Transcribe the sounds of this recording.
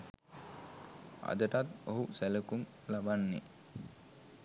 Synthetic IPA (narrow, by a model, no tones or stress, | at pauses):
a̰d̪əʈat̪oɦusæləkum | labanːe